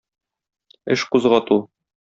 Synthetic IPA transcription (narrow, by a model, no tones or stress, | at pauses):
ɘ̰ʃquzʁɑt̪u